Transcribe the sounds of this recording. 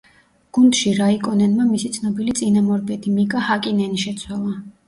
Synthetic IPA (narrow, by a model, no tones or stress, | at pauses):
ɡ̥und̪ʃiɾaikʼɔnɛnmamisit̪sʰnɔbilit̪sʼinamɔɾbʼɛt̪ʰimikʼahakʼinɛniʃɛt̪sʰwalˠa